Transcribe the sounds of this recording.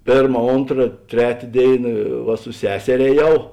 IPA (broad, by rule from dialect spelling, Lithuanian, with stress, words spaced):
ˈpʲeːrmɐ ˈoːntrɐ ˈtʲrʲæːtʲeː ˈdʲeːɪnɐ ʋɐ sʊ ˈsʲæːsʲɛrʲeː ɛːˈjɛʊ